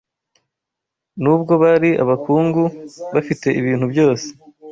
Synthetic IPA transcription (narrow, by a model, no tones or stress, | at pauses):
nub̚ɡo̞βaɾia̰βakʰuːŋɡuβafite̞ʔiβiːnhubjo̞ːse̥